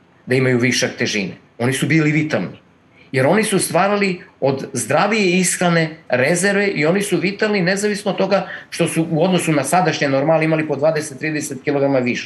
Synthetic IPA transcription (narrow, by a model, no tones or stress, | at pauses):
d̪aimajuʋiʃakt̪e̞ʒine | o̞nisubiliʋit̪alˠni | je̞ɾo̞nisust̪ʋaːɾalio̞d̪zd̪ɾaʋijeisxɾane̞ɾezeɾʋeʔio̞nisuʋit̪alˠnine̞zaʋisnot̪t̪o̞ɡaʃt̪o̞suʔuo̞d̪no̞sunasad̪aʃɲenoɾmalimalipo̞d̪ʋaːd̪eset̪ːɾiːd̪eset̪kilo̞ɡɾamaʋiʃe